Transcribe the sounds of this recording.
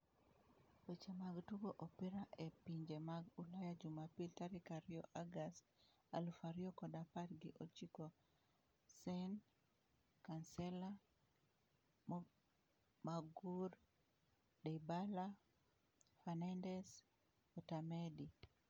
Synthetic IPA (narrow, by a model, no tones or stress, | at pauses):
et͡ʃemaɡtuɡoʔopiɾaʔepiɲd͡ʒemaɡulajad͡ʒumapiltaɾikaɾioʔaɡast | alfaɾiokɔdapatɡɪʔot͡ʃiko | sɛn | kansɛla | maɡuɾ | debala | fɛnandɛs | ɔtamedi